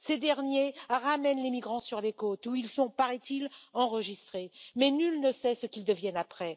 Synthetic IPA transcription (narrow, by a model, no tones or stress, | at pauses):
sed̪ɛʁnjeʁamɛnlemiɡʁɑ̃syʁlekot̪uilsɔ̃paʁɛt̪ilɑ̃ʁəʒist̪χemɛnylnəsɛsəkʲild̪əvjɛnapχɛ